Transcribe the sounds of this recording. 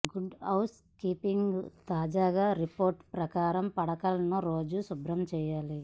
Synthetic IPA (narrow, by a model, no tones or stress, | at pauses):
ɡuɖɐws | kiːpiŋɡt̪aːd͡ʒaːɡaːɾipoːɾʈpɾɐkaːɾɐmpɐɽɐkɐlɐnuɾoːd͡ʒusubɾɐmt͡ʃɛːjaːli